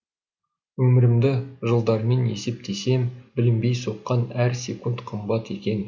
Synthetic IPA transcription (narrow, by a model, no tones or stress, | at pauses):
wɵmɪɾɪmd̪ɪʒəlˠd̪ɑɾme̞nḛse̞p̚t̪ʰe̞se̞mbɪlɪmbe̞jso̞qːɑnæɾsʲe̞̰kunt̪qʰəmbɑt̪e̞kʲe̞n